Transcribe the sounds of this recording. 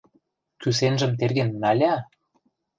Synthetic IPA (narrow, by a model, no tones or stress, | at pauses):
kysenʒə̆mt̪erɣenːɑlʲɑ